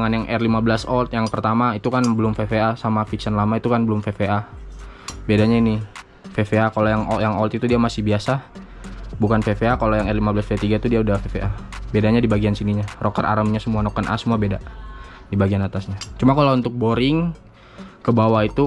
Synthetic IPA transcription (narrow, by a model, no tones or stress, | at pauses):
ŋanjaŋʔɛrlimabəlasɔlt̪jaŋpərt̪amait̪ukanbəlʊmfefeasamafiksanlamait̪ukanbəlʊmfefea | bedaɲaini | fefeakalojaŋɔjaŋɔlt̪it̪udiamasɪhbiasa | bukanfefeakalojaŋɛrlimabəlasbiat̪iɡat̪udiaudafefeʔabedaɲadibaɡiansiniɲarokərʔa̰ɾəmɲasəmuanɔkənʔa̰səmuabeda | dibaɡianat̪asɲat͡ʃumakalount̪ʊk̚boɾɪŋ | kəbawait̪u